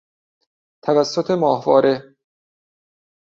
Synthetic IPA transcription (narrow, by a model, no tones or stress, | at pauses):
t̪ʰævæsːot̪ʰemɒːhvɒːɾe̞